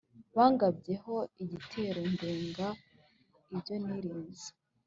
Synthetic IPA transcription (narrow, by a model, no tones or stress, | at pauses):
βaːŋɡabɟe̞ɦo̞iɟitʰe̞ːɾo̞ndeːŋɡa | iɾɟo̞niɾiːnzi̥